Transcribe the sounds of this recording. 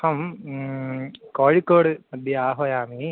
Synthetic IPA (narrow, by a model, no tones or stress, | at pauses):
hɐm | koːɻikːoːɽɨmɐd̪ʱjɐaːɦojaːmi